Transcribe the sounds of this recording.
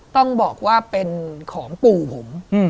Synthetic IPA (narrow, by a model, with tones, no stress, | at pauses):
t̪ɔ˥˩ŋbɔː˨˩k̚waː˥˩pe˧nkʰɔː˩˦ŋpuː˨˩pʰo˩˦m˥˩